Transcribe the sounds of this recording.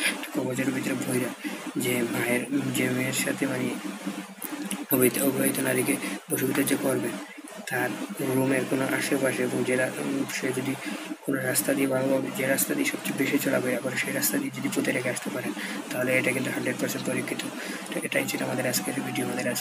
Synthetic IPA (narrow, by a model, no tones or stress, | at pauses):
eʈḁkɔboɾd͡ʑeɾobʱit̪ɾebʱojɾad͡ʑemaeɾd͡ʑemeɾʃat̪ʰemani | obiobʱoit̪onaɾikeboʃubʱid̪ad͡ʑekoɾbe | t̪aɾɾɾumeɾkonoʔa̰ʃepaʃeeboŋd͡ʑeɾaupʃed͡ʑod̪ikonoɾast̪ad̪iebaobabed͡ʑeɾast̪ad̪ieʃɔbt͡ɕebeʃit͡ɕɔla̰boeabaɾʃejɾast̪ad̪ied͡ʑod̪ipot̪ʰeɾekʰeaʃt̪epaɾent̪aɦoleeʈakint̪uɦaɳɖɾeɖ̚paɾseɳʈpoɾikʰːit̪o | ʈeʈajt͡ɕʰiʈamad̪eɾaskebʱiʈiamad̪eɾa